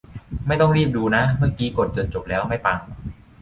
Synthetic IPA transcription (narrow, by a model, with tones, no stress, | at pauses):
ma˥˩jt̪ɔ˥˩ŋɾiː˥˩p̚duː˧na˦˥mɯ˥˩əŋkiː˦˥ko˨˩t̪̚t͡ɕo˨˩nt͡ɕo˨˩p̚lɛː˦˥wma˥˩jpaː˧ŋ